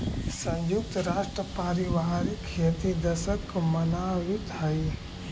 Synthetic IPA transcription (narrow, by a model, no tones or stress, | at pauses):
sə̃njuk̚t̪ɾaːʃʈɾəpaːɾiʋaːɾikʰet̪id̪ɐsəkːomɐnawɪt̪ɦɐi